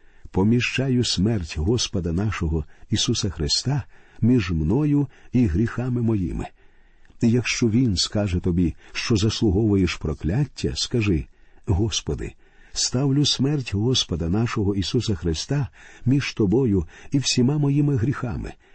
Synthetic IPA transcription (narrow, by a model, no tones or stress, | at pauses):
pɔmʲiʃt͡ʃɑjʊsmɛrtʲɦɔspɔd̪ɐnɑʃɔɦɔisusɐxɾɪst̪ɑmʲiʒmnɔjʊiɦɾʲixɑmɪmɔjḭmɪ̰ | ijɐkʃt͡ʃɔʋʲinskɑʒɛt̪ɔbʲiʃt͡ʃɔzɐslˠʊɦɔʋʊjeʃpɾɔklʲatʲːɐ̰skɐʒɪɦɔspɔd̪ɪ̰ | st̪ɑwlʲʊsmɛrtʲɦɔspɔd̪ɐnɑʃɔɦɔisusɐxɾɪst̪ɑmʲiʒ̥t̪ɔbɔjʊiwsʲimamɔjimɪɦɾʲixɑ̰mɪ̰